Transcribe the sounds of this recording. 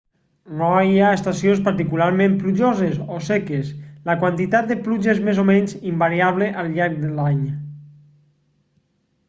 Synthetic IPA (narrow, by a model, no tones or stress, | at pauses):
rɔaiaest̪asjonspəɾt̪ikulaɾmẽmpluʒozezosekesləkwant̪it̪at̪̚d̪əpluʒezmezomɛɲzimbaɾiaβ̞leʔalˠʎaɾɡ̚d̪elaɲ